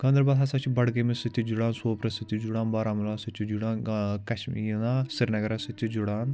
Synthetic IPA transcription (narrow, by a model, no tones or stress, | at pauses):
ɡɐnd̪ɾbɐːlɦɐsat͡ʃʰibɐɽɡɐmisit̪ʲːid͡ʒuɽaːnsoːpɾɐsit̪ʲːid͡ʒuɽaːnbaːɾaːmulaːsɐt͡ʃ̪ʰid͡ʒuɽaːnkɐʃmijinaːsiɾnɐɡɐɾɐsɐt̪ʲːid͡ʒuɽaːn